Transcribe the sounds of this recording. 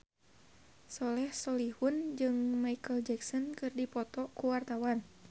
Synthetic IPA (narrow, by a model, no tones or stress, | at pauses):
sɔlɛhsɔlihund͡ʒɨŋmaikəld͡ʒɛksɔnkɨrdipɔt̪ɔkuwart̪awan